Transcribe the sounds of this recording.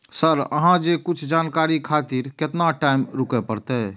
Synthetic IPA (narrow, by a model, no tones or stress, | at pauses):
səɾə̰ɦãd͡ʒekʊt͡ʃʰd͡ʒaːnkaːɾikʰaːt̪iːɾket̪naʈaːɪmɾʊkepəɾt̪e